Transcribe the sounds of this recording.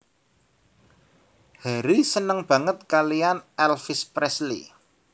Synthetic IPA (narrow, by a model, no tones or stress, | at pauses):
haɾisənəŋb̥a̤ŋət̪̚kalijanɛlfɪspɾɛslḭ